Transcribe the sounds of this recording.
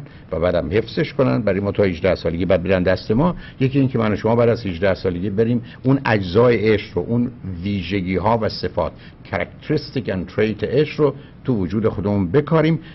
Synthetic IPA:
væbæːd̪æmhe̞fz̥eʃkonænd̪bæɾjemɒːt̪ʰɒːhiʒd̪æhsɒːle̞ɡʲiːbæd̪̚beɾænd̪æst̪e̞mɒːje̞cʰiːiːŋcʰe̞mænoʃomɒːbæːd̪æzhiʒd̪æhsɒːle̞ɟiːbe̞ɾiːm | unæd͡ʒzɒːjeʔeʃɾoʔunviːʒe̞ɡiːɦɒːvæse̞fɒ̰ːt̪ | cʰæɾækt̪ʰeɾist̪ikænt̪ʰɾejt̪ʰeʔeʃɾo | t̪ʰuvod͡ʒuːd̪e̞xo̞d̪e̞muːnbe̞kʰɒːɾiːm

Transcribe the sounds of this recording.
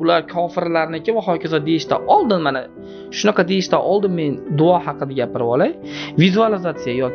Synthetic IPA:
ʊlaɾkʰɒfɪɾlaɾɪnɪkʲʰɪvahɒkʲʰazad̪e̞jɪʃt̪a̰ʔɒlˠd̪ɪnmana | ʃʊnɑqʰɑd̪ejɪʃt̪aʔɒlˠd̪ɪmːe̞nd̪ʊɒhɑqɨd̪aɡʲapɪɾɪvɒlˠaj | vizualɪzat̪sijajɒ

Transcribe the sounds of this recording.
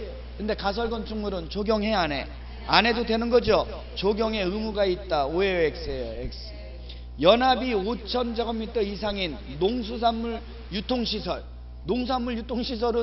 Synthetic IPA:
kɯnde̞kasʰʌɭɡʌnt͡ɕʰuŋmuɾɯnt͡ɕoɡjʌŋɦe̞ane̞ | ane̞dodwe̞nɯnɡʌd͡ʑo | t͡ɕoɡjʌŋe̞ɯmuɡait̚t͈aoeek̚s͈ejoek̚s | jʌnabiot͡ɕʰʌnd͡ʑaɡʌmːitʰʌisʰaŋinːoŋsʰus̬ʰamːuɭ | jutʰoŋɕʰisʰʌɭ | noŋs̬ʰamːuɭjutʰoŋɕʰis̬ʰʌɾɯ

